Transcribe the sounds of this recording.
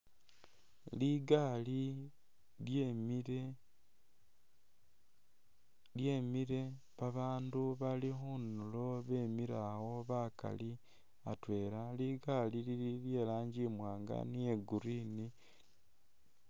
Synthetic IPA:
liɡali | ljemiɾe | lje̞miɾe̞ | βaβaːnduβalixunulo̞βe̞miɾawo̞βaka̰li | a̰twe̞ːɾaliɡalilililje̞ːlaːɲɟimwaːŋɡa̰nieɡuɾini

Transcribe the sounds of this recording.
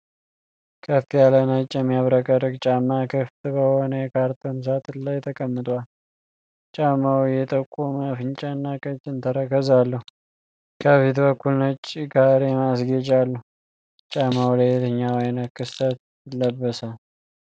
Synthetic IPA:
kʰəfijalənət͡ʃʼːɛmːijaβɾəkʼəɾɨɡt͡ʃʼamːakʰɨft̪bəhonəjɛkʰaɾt̪ʰons̬at̪ɨlːajt̪ʰəkʼəmːɨt̪ʼal | t͡ʃʼamawjɛt̪ʼəkʷʼːoməfɨɲt͡ʃʼanːakʼət͡ʃʼːɪnt̪ʰəɾəkːəzalːəhu | kʰəfit̪bəkʰːulnət͡ʃʼːiɡaɾemasɡəd͡ʒʼalːəh | t͡ʃʼamːawləjɛt̪ɨɲːawajnəkʰːɨst̪ʰət̪̚ | ɪlːəbːəsal

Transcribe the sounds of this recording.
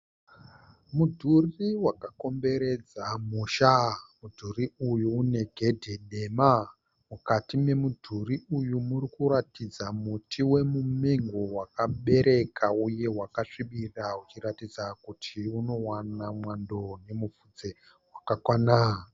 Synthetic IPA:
mudʱuriwakako̞mbe̞ɾe̞d͡zamuʃamudʱuriujuːne̞ɡʱe̞dʱeɗe̞ma | mukatime̞mudʱuriujumuɾikuɾatid͡zamutʰiwe̞mumeŋɡo̞wakaɓe̞ɾʔe̞kauje̞wakaʂiɓiraut͡ʃiɾatid͡zakutʰiuno̞wanamwando̞ne̞mufud͡ze̞ | wakakwaːnaː

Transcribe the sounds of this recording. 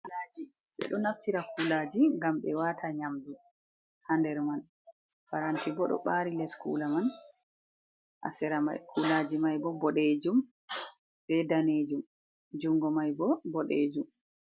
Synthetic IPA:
klad͡ʒi | ɓɛ̰ɗɔnaftiɾakulad͡ʒiŋɡamɓɛwatʰaɲamdu | handɛɾman | paɾantibɔɗɔ̰ɓaɾilɛskṵlaman | ʔa̰sɛɾama̰jkʰulad͡ʒimajbɔbɔɗed͡ʒum | b̥ɛdaned͡ʒum | d͡ʒuŋɡɔmajbɔbɔɗḛd͡ʒum

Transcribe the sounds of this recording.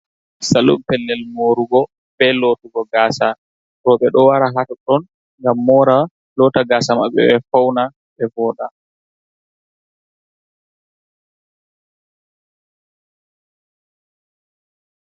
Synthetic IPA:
salṵʔpɛlːɛlmoːɾuɡɔ | b̥ɛlotuɡɔɡaːsa | ɾɔɓɛɗɔwaɾaɦatɔɗɔn | ŋɡamːɔɾa | lɔtaɡasamaɓɛ̰ɛfawna | ɓɛvɔːɗa

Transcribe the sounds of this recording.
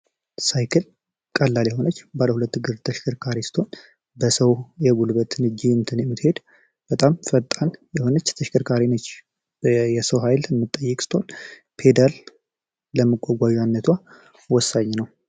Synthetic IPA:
sajkʰɨl | kʼəlːaljɛho̞nət͡ʃːbaləhulət̪ːɨɡɨɾt̪ʰəʃkʰɨɾkʰaɾisɨ̥t̪ʰho̞n | bəsəwjɛɡulβət̪ʰɨnɨd͡ʒiɨmt̪ʰɨnjɛmːɨt̪he̞d̪ | b̥ət̪ʼamfət̪ʼːanjɛho̞nət͡ʃːt̪ʰəʃkʰəɾkʰaɾinət͡ʃː | jɛsəwɦajlɨmːɨt̪ʼːəjːɛkʼsɨ̥t̪ʰho̞n | pʰe̞d̪alː | əmːɨɡʷʼɔɡʷajanːət̪ʰwa | wɔsːaɲːnəw

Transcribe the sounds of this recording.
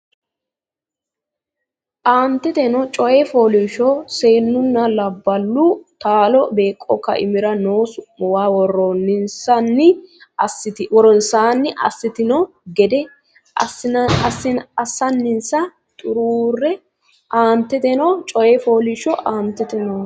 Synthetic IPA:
ʔaːnt̪ːɛt̪ɛnɔt͡ʃʼɔjɛfoːlɪʃɔseːnːʊnːɐlɐbːɐlːut̪aːlɔbe̞ːkʼːɔkːɐ̰ʔɪ̰mɪɾɐnoːsʊwaːwɔrːɔnːɪnsɐnːɪɐsɪt̪wɔɾɔnsaːnːɪʔɐ̰sːɪt̪ɪnɔ | ɡɛd̪ɛ | ɐsɪɐsɪnɐsːɐnːɪnsɐ | t̪ʼʊɾuːrːɛ | aːnt̪ːɛt̪ɛnɔt͡ʃʼɔjɛfoːlɪʃɔʔaːnt̪ːɛt̪ɛnɔ

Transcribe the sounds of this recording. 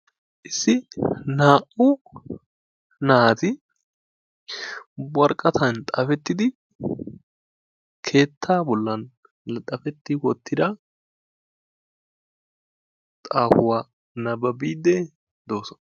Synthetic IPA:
ʔɪsːɪnaːʔʊ | naːt̪ɪ | wɐɾkʼːɐt̪ʰɐnt̪ʼaːfɛt̪ːɪd̪ɪ | kʰe̞ːt̪ʰːaːbɔlːɐn | lɐt̪ʼːɐfɛt̪ːɪwɔt̪ːɪd̪ɐ | t̪ʼaːhʊwaː | nɐbɐbiːd̪ɛ | d̪o̞ːsɔnɐ

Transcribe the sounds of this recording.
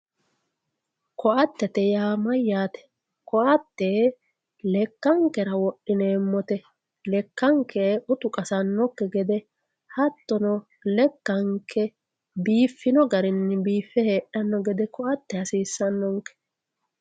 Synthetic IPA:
kɔʔɐt̪ːɛt̪ɛjaːmɐjːaːt̪ɛ̥ | kɔʔɐt̪ːeː | lɛkːɐŋkɛɾɐwɔʔɪneːmːɔt̪ɛ | lɛkːɐŋkʰɛʔʊt̪ʊkʼɐsɐnːɔkːɛɡɛd̪ɛ | hɐt̪ːɔnɔ | lɛkːɐŋkʰɛ | biːfːɪnɔɡɐɾɪnːɪbiːfːɛheːʔɐnːɔɡɛd̪ɛkɔʔɐt̪ːɛɐsiːsːɐnːɔŋkɛ̥

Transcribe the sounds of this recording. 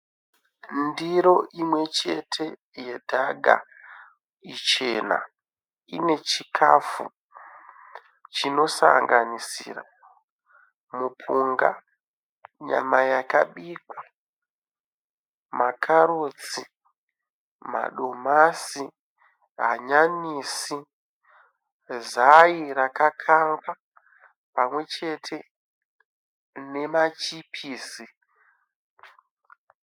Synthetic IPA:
ndiɾo̞ʔimwe̞t͡ʃe̞tʰe̞ | je̞dʱaɡʱa̰ | it͡ʃe̞na̰ | ine̞t͡ʃikʰafṵ | t͡ʃino̞sa̰ŋɡanisḭːra̰ | mupʰuŋɡa̰ | ɲa̰majakaɓiːkwa | makʰaɾod͡zi | ma̰ɗomasi | ɦaɲaniːsi | zairakakʰaŋɡa | pamwe̞t͡ʃe̞tʰe̞ | ne̞mat͡ʃipʰiːsi

